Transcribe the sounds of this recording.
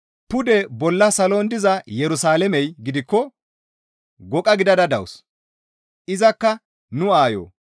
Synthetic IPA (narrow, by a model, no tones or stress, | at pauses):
pʊd̪ɛbɔlːɐsɐlond̪ɪzɐjɛɾʊsaːlɛmɛjɡɪd̪ɪkːɔ | ɡɔkʼɐɡɪd̪ɐd̪ɐd̪ɐ̰ws | ʔɪzɐkːɐ | nʊaːjo̰ː